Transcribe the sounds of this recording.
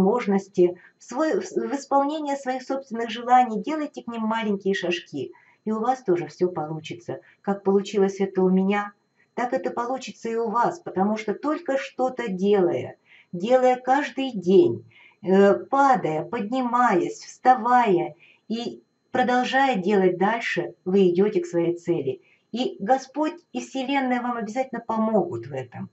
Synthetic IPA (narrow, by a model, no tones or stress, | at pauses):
mo̞ʐnəsʲtʲɪ | svojvɨspɐlˠnʲenʲɪjəsvɐixso̞pst̪vʲɪnːɨɣxʐɨlˠanʲɪjdʲe̞lˠəjtʲɪknʲimːalʲɪnʲkʲɪjəʂɐʂkʲi | iʊvast̪o̞ʐɨfsʲɵpɐlˠut͡ɕɪt̪sə | kak̚pəlˠʊt͡ɕilˠəsʲɛt̪əʊmʲɪnʲa | t̪akɛt̪əpɐlˠut͡ɕɪt̪səɪʊvaspət̪ɐmuʂt̪ot̪o̞lʲkəʂt̪o̞t̪ədʲe̞lˠə̰jə̰ | dʲe̞lˠəjəkaʐd̪ɨjdʲenʲ | əpad̪əjəpədʲnʲɪmajəsʲfst̪ɐvajə | i | pɾəd̪ɐlˠʐajədʲe̞lˠət̚ʲd̪alʲʂɨvɨɪdʲotʲɪksvɐjejt̪sɛlʲɪ | iɡɐspo̞tʲifsʲɪlʲe̞nːəjəvamɐbʲɪzatʲɪlʲnəpɐmo̞ɡʊt̪vɛt̪əm